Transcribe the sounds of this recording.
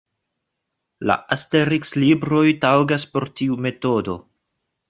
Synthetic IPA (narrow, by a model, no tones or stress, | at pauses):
la̰ʔaste̞ɾikslibɾo̞jtawɡaspo̞ɾtiume̞to̞do̞